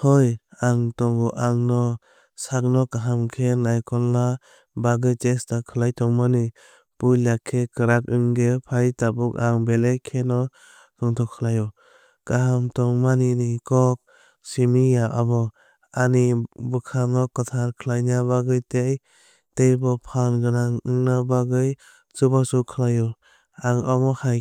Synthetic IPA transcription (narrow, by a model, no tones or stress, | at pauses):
hɔjaŋtɔŋɡɔʔaŋnɔ | sak̚nɔkaɦamkʰenajkɔlːa | baɡɯjtestakʰɯlajtɔŋmanɯ | pujlakʰːekɯɾakɯŋɡepʰajtabukaŋbelekʰenɔ | tɔŋtʰɔkʰːɯlajɔ | kaɦamtɔŋmaninikɔk̚ | simijaʔabɔ | anibɯkʰanɔkɯtʰaɾkʰɯlajnabaɡɯjtej | tejbɔpʰanɡɯnaŋɯŋnabaɡɯj | t͡ʃɯbasukʰɯlajɔ | aŋɔmɔhaj